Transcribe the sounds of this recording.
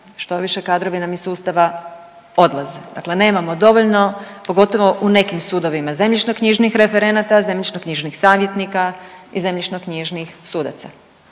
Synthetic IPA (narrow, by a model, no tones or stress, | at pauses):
ʃt̪o̞ʋiʃekaːd̪ɾo̞ʋinamisuːst̪aʋa | o̞d̪lˠazed̪a̰kle̞ne̞ːmamod̪o̞ʋo̞ʎno̞po̞ɡo̞t̪o̞ʋo̞ʔune̞kimsud̪o̞ʋimaze̞mʎit͡ʃnokɲiʒnixɾe̞fe̞ɾe̞nat̪aze̞mʎʲit͡ʃnokɲiʒnixsaːʋje̞t̪nikaize̞mʎit͡ʃnokɲiʒnixsud̪a̰t̪sa̰